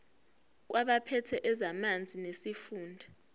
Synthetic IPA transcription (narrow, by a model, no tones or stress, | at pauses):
k̬wʔaɓapʰɛtʰɛʔɛzamand͡zʱinesifuːndʱa